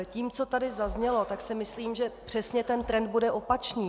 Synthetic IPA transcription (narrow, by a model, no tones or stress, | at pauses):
ciːmt͡so̞t̪adɪzazɲɛlo̞t̪aksɪmɪsliːmʒɛpr̝̥ɛsɲɛt̪ɛnt̪ɾɛnd̪̚budɛʔo̞pat͡ʃɲiː